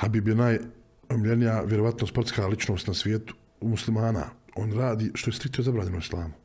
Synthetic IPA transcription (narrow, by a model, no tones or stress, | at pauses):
habibijnaːj | omiʎenijaʋʲjeɾoʋat̪nospo̞t̪skaːlit͡ʃnoːst̪nasʋʲjeːt̪u̥ | muslimaːna̰ːoːnɾaːd̪iːʃt̪o̞est̪ɾikt̪ozabɾaːɲe̞noislˠa̰ːmu